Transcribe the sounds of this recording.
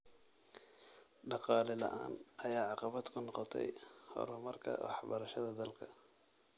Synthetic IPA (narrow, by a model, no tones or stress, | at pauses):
ɖɑqɑːlɛlɐ̰ʔa̰ːnɐjaːʕɑqɑβɐd̪kʰʊnɔqɔt̪ʰɛ̰jhɔ̰ɾɔmɐrkʰɐ̰wɑ̰ħbɐɾɐʃɐðɐd̪ɐlkʰɐ